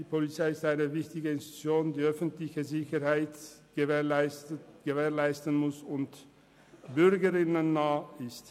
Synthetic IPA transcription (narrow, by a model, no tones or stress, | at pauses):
diːpʰolit͡saɪɪstaɪnəvɪçtɪɡəɪnsti̥t͡sjoːndiːœfən̩tlɪçəzɪçəʁhaɪtɡ̥əɪɡ̥əveːɐʁlaɪstən̩mʊsʊnt | b̥ʏʁɡəʁɪnənːaːɪst